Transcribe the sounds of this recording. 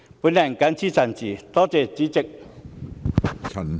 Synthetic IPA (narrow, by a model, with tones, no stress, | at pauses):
pu˨˦˥na˨˩˨ŋka˧˥nt͡sʰiː˦t͡sa˨˩nt͡ɕiː˨˩t̪ɔ˦˥t͡se˨˩t͡ɕiː˨˦t͡ɕɪ˧k̚ | t͡sʰɐ˨˩n